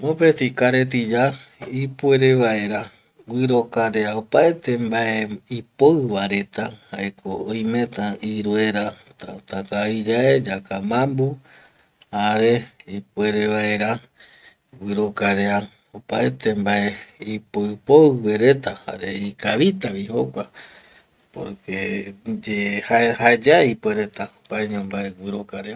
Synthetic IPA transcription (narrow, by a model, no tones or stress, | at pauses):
opet̪ikaɾet̪̬id͡ʒaipueɾeβaeɾa | wɨɾokaɾeaopaet̪e̞mbaeipoɨβaɾe̞t̪ahaekʰoːjmẽ̞t̪aiɾoeɾa | t̪at̪akaid͡ʒaed͡ʒakamãmbu | aɾeipwe̞ɾeβae̞ɾa | wɨɾokaɾea | opaet̪ʰe̞mbae̞ipoɨpoɨweɾe̞t̪aha̰ɾe̞ikaβit̪aʋiho̰kʷa | po̰ɾkʰed͡ʒehaehaed͡ʒaipweɾe̞t̪aopaeɲõmbaewɨɾokaɾea